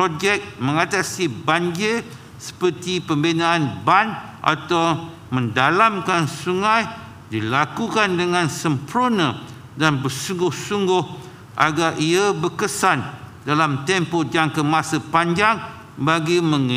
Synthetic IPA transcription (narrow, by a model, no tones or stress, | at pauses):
pod͡ʒɛk̚mə̃ŋat̪asibaɲd͡ʒɪr | sə̥pərt̪ipəmbinãːnban | ʔa̰t̪aw | mə̃ndalamkansuŋãj | dilakukandəŋãnsəmpɾonə̃ | danbərsuŋɡʊhsuŋɡʊh | ʔa̰ɡarʔiabərkəsandalamt̪ɛmpod͡ʒaŋkəmãsəpaɲd͡ʒaŋ | baɡimə̃ŋ